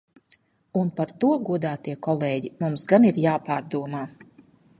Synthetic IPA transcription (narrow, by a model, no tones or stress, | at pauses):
unpaɾt̪uɔɡuɔd̪aːt̪iɛkɔlˠeːɟimumsɡaniɾjaːpaːɾd̪uɔmaː